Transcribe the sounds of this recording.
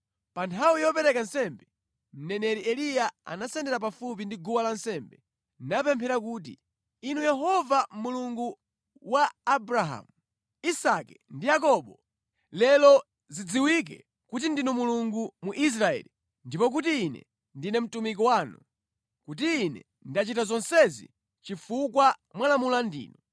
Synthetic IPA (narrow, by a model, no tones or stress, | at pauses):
pantʰawijɔpɛɾɛkansɛmbɛ | m̩nɛnɛɾiɛlijaa̰nasɛndɛɾap̬afup̬indiɡuwalansɛmbɛ | napɛmpʰɛɾakuːt̬ḭ | inujɛɦɔvamuluŋɡu | waːbɾaɦa̰mu | isakɛndijakɔɓɔ | lɛlɔ | zid͡ziwik̬ɛ̰ | kutindinumuluŋɡumuʔis̬ɾaɛ̰li | ndipɔk̬utiːnɛ̰ | ndinɛm̩tumik̬ɔwaːnu | kut̬iːnɛ̰ | ndat͡ʃitazɔnsɛzḭ | t͡ʃifukwamwalamulandḭːnɔ